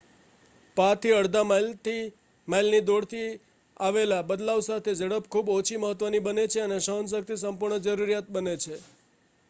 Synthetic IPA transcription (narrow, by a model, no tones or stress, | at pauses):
pat̪ʰiəɽd̪amlt̪i | majlnid̪oɽt̪ʰi | aʋelabəd̪lawsat̪ʰed͡ʒəɽəpkʰubot͡ʃʰiməɦət̪ʋənibənet͡ʃʰeəneʃəɦəns̬ək̚t̪ʰisəmpuɾɳəd͡ʒəɾuɾijat̪̚bənet͡ʃʰe